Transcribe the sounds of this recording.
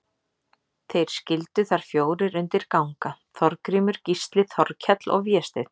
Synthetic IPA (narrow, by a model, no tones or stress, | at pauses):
θejɾ̥scɪlt̪ʏθaɾ̥fjoːwɾɪɾʏnt̪ɪɾkawŋkaθɔɾkɾiːmʏɾ̥cist̪lɪθɔɾcʰɛt̪lɔ̰ɣvjɛst̪ɪθ